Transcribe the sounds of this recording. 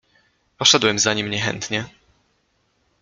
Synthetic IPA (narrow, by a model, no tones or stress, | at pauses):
pɔʂɛd̪wɛmzaɲimɲɛxɛ̰nt̪ɲɛ